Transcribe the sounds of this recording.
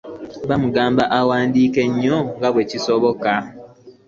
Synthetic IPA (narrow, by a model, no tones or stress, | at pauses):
βamuɡaːmbaʔawaːndiːke̞ɲːoŋɡaβwe̞cisoβo̞ka